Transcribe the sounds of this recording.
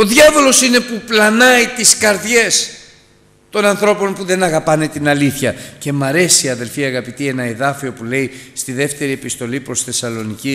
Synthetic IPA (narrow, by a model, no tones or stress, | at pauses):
o̞ðʝɐvo̞lo̞sine̞puplɐnɐit̪iskɐɾðʝe̞s | t̪o̞nɐnθɾo̞po̞npuðe̞nɐɣɐpɐne̞t̪inɐliθçɐce̞mɐɾe̞siɐðe̞lfiɐɣɐpit̪ie̞nɐe̞ðɐfio̞pule̞ist̪iðe̞ft̪e̞ɾie̞pist̪o̞lipɾo̞sθe̞sɐlo̞nici